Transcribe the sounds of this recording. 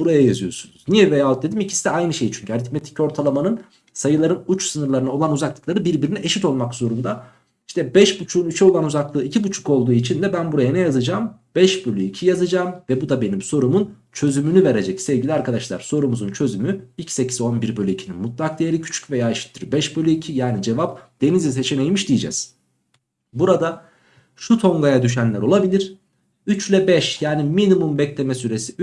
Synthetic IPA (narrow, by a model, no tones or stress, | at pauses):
b̥uɾajajazɯjo̞̰ɾsunuz̥nijɛvejaːt̪̚d̪e̞d̪imicʰi̥sid̪ɛajnɯʃe̞jt͡ʃʰyɲcʰyaɾit̪met̪ʰi̥co̞ɾt̪ʰalˠamanɯn | sajɯlˠaɾɯnut͡ʃsɯnɯɾlˠaɾɯnao̞lˠanuzaklˠɯklˠaɾɯbiɾbiɾinɛʔeʃit̪o̞lˠmakz̥o̞ɾund̪a | iʃt̪ʰɛbɛʃbut͡ʃʰuːnyt͡ʃʰɛo̞lˠanuzaklˠɯːicʰibut͡ʃʰu̥ko̞lˠd̪uːit͡ʃʰind̪ɛbænbuɾajanɛjazɯd͡ʒaːmbɛʃbølʲyicʰijazɯd͡ʒaːmvɛbud̪abe̞nimso̞ɾumun | t͡ʃʰø̞zymynyve̞ɾe̞d͡ʒɛcsevɟilʲiaɾkʰad̪aʃlˠa̰ɾ̥so̞ɾumuzunt͡ʃʰø̞zymyicse̞cʰi̥zo̞nbiɾbølʲyicʰininmut̪̚lˠak̚d̪ijeɾicʰy̥t͡ʃʰy̥cve̞jaːiʃi̥t̪ʰːiɾbɛʃbølʲyicʰijaːnid͡ʒe̞vap̚d̪̥e̞nizise̞t͡ʃʰenejmiʃd̪ijid͡ʒɛ̰z̥ | buɾad̪a | ʃut̪ʰo̞ŋɡajad̪yʃ̬ænlʲæɾo̞lˠabilʲiɾ̥ | yt͡ʃlʲɛbɛʃjaːniminimumbɛclʲemɛsyɾe̞si